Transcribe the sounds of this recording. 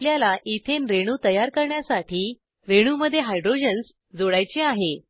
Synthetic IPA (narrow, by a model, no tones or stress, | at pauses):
ljalaʔit̪ʰenɾeɽ̃uːt̪əjaɾkəɾɳjasaʈʰiː | ɾeɽ̃uməd̪ʱːjeɦajɖɾod͡ʑəns | d͡zoɭajt͡ɕeaɦe